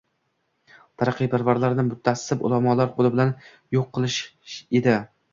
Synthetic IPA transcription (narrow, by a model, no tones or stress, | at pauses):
t̪ʰaɾɑqʰːɨjbaɾvaɾlaɾnɪmʊt̪ʰːasːɪbʊ̰lˠamɒlaɾqʰolˠɪbɪlan | joqʰːɨlˠɪʃed̪ɪ